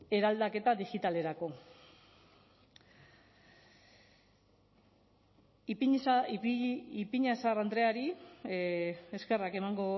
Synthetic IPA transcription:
e̞ɾald̪ake̞t̪aðiɣit̪ale̞ɾako̞ | ipiɲasarand̪ɾe̞aɾi | e̞ske̞rake̞maŋɡo̞

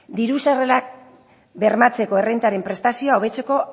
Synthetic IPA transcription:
d̪iɾusare̞lak̚ | be̞ɾmat͡se̞ko̞e̞rent̪aɾe̞mpɾe̞st̪asio̞aoβ̞e̞t͡se̞ko̞

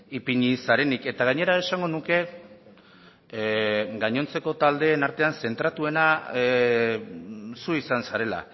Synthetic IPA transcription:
ipiɲisaɾe̞nike̞t̪aɣaɲe̞ɾae̞saŋɡo̞nuke̞ | ɡaɲo̞nt͡se̞ko̞t̪ald̪e̞ːnaɾt̪e̞anse̞nt̪ɾat̪ue̞na | suisansaɾe̞la̰

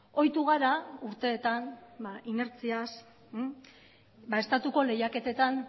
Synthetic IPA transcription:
o̞jt̪uɣaɾauɾt̪e̞ːt̪anbaʔine̞ɾt͡sias | bae̞st̪at̪uko̞le̞jake̞t̪e̞t̪an

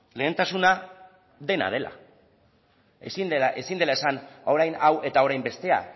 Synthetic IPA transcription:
le̞ːnt̪asuna | ðe̞na̰ð̞e̞la̰ | esine̞sind̪e̞lae̞sano̞ɾajnawʔe̞t̪ao̞ɾajmbe̞st̪e̞a̰

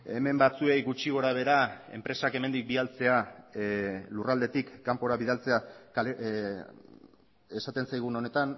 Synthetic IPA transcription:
e̞me̞mbat͡sue̞jɣut͡ʃiɣ̞o̞ɾaβ̞e̞ɾae̞̰mpɾe̞sake̞me̞nd̪ik̚bialt͡se̞a | lurald̪e̞t̪ikːampo̞ɾaβiðalt͡se̞ake | esat̪e̞nsajɣ̞uno̞ne̞t̪an

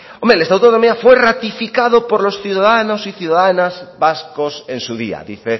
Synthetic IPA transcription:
omelest̪awt̪onomiafwerat̪ifikaðopoɾlosθjuðaðanosiθjuðaðanazβaskosẽnsuðḭa̰ðḭθe

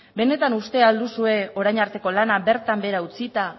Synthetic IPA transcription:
be̞ne̞t̪anust̪e̞ald̪usue̞o̞ɾajɲaɾt̪e̞ko̞lanabe̞ɾt̪ambe̞ɾaut͡sit̪a

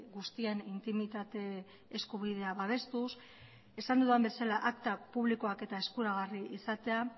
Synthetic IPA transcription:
ɡust̪ienint̪imit̪at̪e̞ː | skuβ̞iðe̞aβaβ̞e̞st̪us | e̞sand̪uðuambe̞salaʔakt̪apuβ̞liko̞ake̞t̪aeskuɾaɣ̞ariʔisat̪e̞a

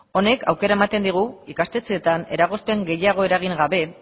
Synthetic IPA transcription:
o̞ne̞kʰa̰wke̞ɾae̞mat̪e̞nd̪iɣ̞uikast̪e̞t͡seːt̪ane̞ɾaɣ̞o̞spe̞ŋɡe̞jaɣ̞o̞e̞ɾaɣ̞iŋɡaβe̞

